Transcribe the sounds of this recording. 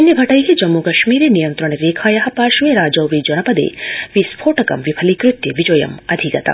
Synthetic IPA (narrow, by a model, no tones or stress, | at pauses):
ɐnjɐbʱɐʈɐjɦid͡ʒɐmːukɐʃmiːɾenijɐnt̪ɾɐɳ̃eɾeːkʰaːjɐɦɐ̆paːʃuʋeɾaːd͡ʒɐwʋid͡ʒɐnɐpɐd̪ḛːʋispʰoːʈɐkɐ̰mʋipʰɐlikɾut̪jɐʋid͡ʒɐjɐ̰mɐd̪ʱikɐt̪ɐ̰